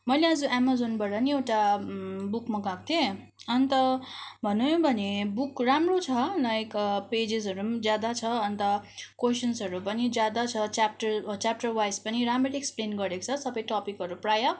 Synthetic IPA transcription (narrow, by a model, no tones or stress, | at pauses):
mʌjleʌd͡zuʔamazonbaɾʌniewʈabukmʌɡak̚t̪ʰije | ʌnt̪ʌbʱʌnuj̃bʱʌnebukramrot͡sʰʌlajkped͡zisʌɾud͡zjad̪at͡sʰʌʌnt̪ʌkwesʌnsʌɾupʌnid͡zjad̪at͡sʰʌt͡ʃap̚ʈʌrt͡ʃap̚ʈʌrwajspʌniɾamreɾeksplenɡʌɾekt͡sʰʌsʌbʌjʈɔpikɦʌɾuprajʌ